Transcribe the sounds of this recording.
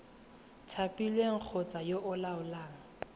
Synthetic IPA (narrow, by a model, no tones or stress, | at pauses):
tʰapilweŋ̩k͡xʰɔt͡sajoʔʊlaʊlaːŋ̩